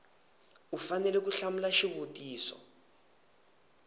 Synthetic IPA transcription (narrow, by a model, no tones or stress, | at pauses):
ufanɛlɛk̬uɬamulaʃiβotiːsɔ̰